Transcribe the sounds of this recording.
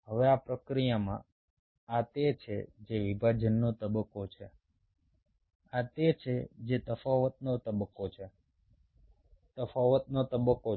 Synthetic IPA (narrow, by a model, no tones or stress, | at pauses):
ɦəʋeapɾəkɾijamã̰ | at̪et͡ʃʰḛd͡ʒeʋibʱad͡ʒənːot̪əbəkːot͡ʃʰe | at̪et͡ʃʰed͡ʒet̪əfaʋət̪̚not̪əbəkːot͡ʃʰe | t̪əfaʋət̪̚not̪əbəkːo